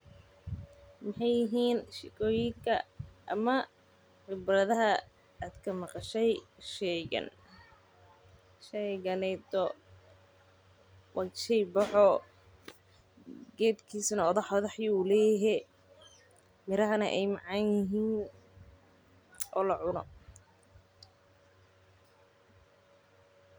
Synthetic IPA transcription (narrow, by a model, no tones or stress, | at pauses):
mɪħɑjːɪɦiːnʃɪkʰɔːjɪŋkʰɐ̰ʔɐ̰mɐ | ħɪbrɐðɐɦɐ | aːd̪kʰɐmɑqɑʃɛjʃɛɣɐ̰n | ʃɛjɣɐnɛjt̪ɔ | wʔɑʃɛjbɑħɔ | ɡɛːd̪kʰiːsɐnɐɔðɐħɔðɐħjɪulɛːjɪɦɛ | mɪɾɐɦɐnɐʔɛjmɑʕɑnjɪɦiːn | ʔɔːlɐʕʊnɔ